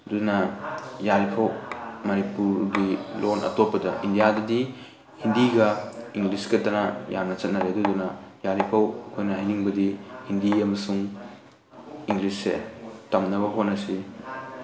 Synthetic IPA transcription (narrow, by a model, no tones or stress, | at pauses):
dunɐjalipʰɐwmɐnipuɾɡilonʔɐ̰topːɐdɐʔindijadɐdi | hindiɡɐiŋlisɡɐtɐnɐja̰mnɐt͡ʃɐt̚nɐɾedudunɐjalipʰɐwkʰojnɐɦajniŋbɐdihindiɐmɐsuŋ | iŋlisːḛtɐmnɐβɐɦotnɐsi